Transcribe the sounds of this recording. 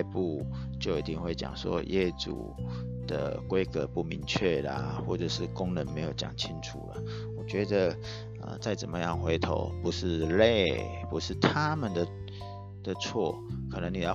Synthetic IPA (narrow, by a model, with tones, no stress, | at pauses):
pu˥˧ | t͡ɕjo˥˩ʊi˨˩t̪ḭ˥˧ŋxwe˥˩ɪt͡ɕjɑ̰˨˩ŋswɔ̰˥jɛ˥˩t͡sṵ˨˩ | d̪̥ə̰˨kwe˦ɪkə˨pu˥˩mi˧˥ŋt͡ɕʰɥɛ˥˩lə̰˩xwɔ˥˩t͡sə˨˩ʂɻ̩˥˩kʊ˥ŋnə˧˥nme˧˥ɪjo˨˩ʊt͡ɕjɑ̰˨˩ŋt͡ɕʰi˦nt͡sʰṵ˨˩lə̰˨˦ | wɔ˨˩t͡ɕɥɛ˧˥d̪ə˧ | ə̰˨t͡sa˥˩ɪt͡sə̰˨˩mə˦jɑ˥˩ŋxwe˧˥ɪt̪ʰo̰˨˧˦ʊpu˧˦ʂɻ̩˥˧le˥˨ɪ | pu˧˦ʂɻ̩˥˨t̪ʰa˦mə˨nd̪ə˨ | d̪̥ə˨t͡sʰwɔ˥˩kʰə˨˩nə˧˦˥ŋni˨˩jɑ˥˧˩